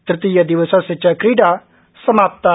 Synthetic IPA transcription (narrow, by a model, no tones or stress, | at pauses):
t̪ɾɪt̪ijad̪iʋəsãset͡ʃakɾiːɖa | səmaːp̚t̪a